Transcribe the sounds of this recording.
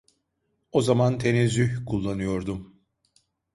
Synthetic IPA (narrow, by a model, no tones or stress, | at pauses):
o̞zamant̪ʰenezyhkʰulˠːanɯjo̞ɾd̪um